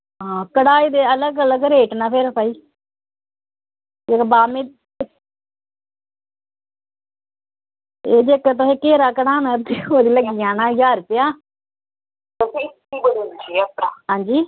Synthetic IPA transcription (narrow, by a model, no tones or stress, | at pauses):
ɦãːkəɽaːiːd̪eːələɡələɡɾeːʈnaːpʰeɾəpaːiː | d͡ʒekbaːmẽː | eːd͡ʒekt̪̬ʊsẽːkeːɾaːkəɽaːnaːd̪eːoːd̪iːləɡijãːnaːjaːɾpɪjaː | t̪ʊsĩɪt̪iːbəɽind͡ʒiːəpɾaːɦãːɲd͡ʒiː